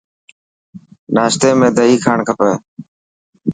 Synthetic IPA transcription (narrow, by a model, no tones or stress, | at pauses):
naːʃt̪eːmẽːd̪əɦiːkʰaːɳkʰəpəː